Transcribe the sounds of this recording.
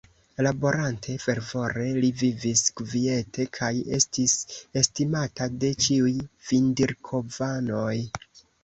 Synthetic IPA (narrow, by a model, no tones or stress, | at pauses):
labo̞ɾantʰe̞fe̞ɾvo̞ɾe̞livivisɡ̥vie̞tʰe̞kʰaje̞stise̞stimatade̞t͡ʃiujv̥indiɾkʰo̞vano̞j